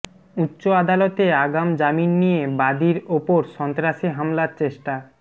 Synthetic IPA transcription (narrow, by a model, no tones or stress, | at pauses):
utːɕoad̪alot̪eaɡamd͡ʑaminːijebad̪iɾopoɾʃɔnt̪ɾaʃiɦamlaɾt͡ɕeʃʈa